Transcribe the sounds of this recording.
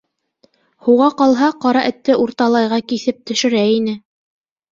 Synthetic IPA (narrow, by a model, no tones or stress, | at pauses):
huʁɑqɑlˠɦɑqɑɾɑʔɘ̆t̪ːɘʔuɾt̪ɑlˠɑjʁɑkiθɘp̚t̪ɵ̆ʃɘ̆ɾæinɘ